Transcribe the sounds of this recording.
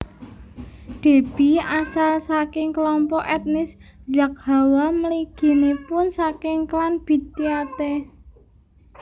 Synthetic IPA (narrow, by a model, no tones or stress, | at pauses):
ɖ̪̥e̤b̥i̤asalsakɪŋkəlɔmpɔʔɛt̪̚nɪszak̚ha̤waməliɡ̥i̤nepʊnsakɪŋklanb̥i̤t̪iat̪e